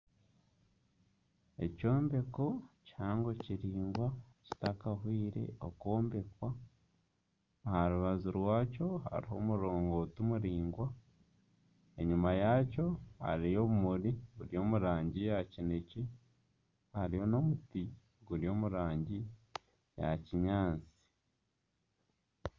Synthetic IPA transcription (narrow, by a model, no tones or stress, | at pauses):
e̞̰co̞ːmbe̞kochaːŋɡo̞ciɾiːŋɡwaci̥takaɦwiːɾe̞̰o̰ko̞ːmbe̞kwa | haɾuβazuɾwaːco̞ha̰ɾiho̞̰muɾo̞ːŋɡo̞ːtumuɾiːŋɡwa | e̞ɲumajaːco̞ha̰ɾijo̞βumuɾiɡuɾijo̞ːmuɾaːɲɟijacinece | haɾiho̞no̞muti | ɡuɾio̞ːmuɾaːɲɟi | ja̰ciɲaːnt͡si̥